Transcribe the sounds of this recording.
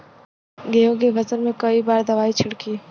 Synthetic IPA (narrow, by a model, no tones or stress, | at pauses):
ɡeːõɡebɐzəɾmẽkɐibaːɾd̪ɐʋaːit͡ʃʰɪɽkiː